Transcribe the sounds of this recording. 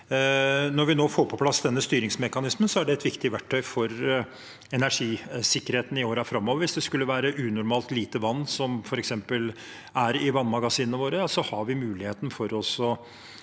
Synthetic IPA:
nɔɾʋɪnoːfoːɾpʰɔpʰlɑsd̪ɛnːəst̪yːɾɪŋsmɛkɑnɪsmənsɔæɖɛɛt̪ʋɪkt̪ɪʋæʈʰːœʏfɔɾ | ɛnæʂiːsɪkːəɾheːt̪n̩ɪoːɾæɾfɾɑmːɔːʋəɾʋɪsd̪ɛskʉlːəʋæːɾəʔʉːnʊɾmɑːlt̪liːt̪əʋɑnːsɔmfɔɾɛksɛmpəl | æɾɪʋɑnmɑɡɑsiːnəʋoːɾəjɑsɔhɑɾʋɪmʉːlɪheːt̪n̩fɔɾɔsɔ

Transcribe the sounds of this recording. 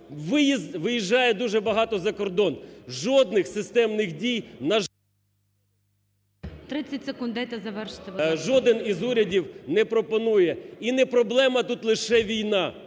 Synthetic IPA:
ʋɪjizʋɪjiʒːɑjɛd̪uʒɛbɐɦɑt̪ɔzɐkɔrd̪ɔnʒɔd̪nɪxsɪst̪ɛmnɪxdʲijnɐ | t̪ɾɪt͡sʲːɐtʲsekund̪ɛt̪ɐzɐʋɛrʃɪ̥t̪ɛʋʒɔd̪ɪnizuɾʲɐdʲiwnɛpɾɔpɔnujɛinɛpɾɔblˠɛmɐt̪ut̪lˠɪʃɛʋʲijnɑ

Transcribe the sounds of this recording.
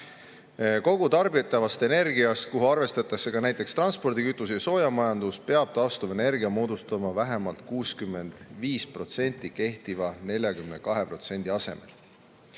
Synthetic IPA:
ko̞ɡ̥ut̪ɑrbit̪ːˑɑvɑst̪e̞ne̞rɡiɑst̪̚kuɦuɑrve̞st̪ɑt̪ːˑɑkse̞kɑnæjt̪ːˑe̞kst̪rɑnspo̞rd̪ikyt̪ˑːusjɑso̞ːjɑmɑjɑnd̪uspe̞ɑb̥̚t̪ɑːst̪umɑene̞rɡiɑmo̞ːd̪ust̪ɑmɑvæɦe̞mɑlt̪̚kuːskymːe̞nd̪̥viːspro̞t̪se̞nʲt̪ːˑike̞ht̪ivɑne̞lʲjɑkymne̞kɑɦe̞pro̞t̪se̞nʲd̪̥iɑse̞̰me̞̰l

